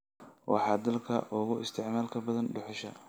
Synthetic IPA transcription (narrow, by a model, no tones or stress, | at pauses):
wʔɑ̰ħɑːd̪ɐlkʰɐ̰ʔʊɣʊʔɪst̪ʰɪʕmaːlkʰɐbɐðɐnɖʊħʊʃɐ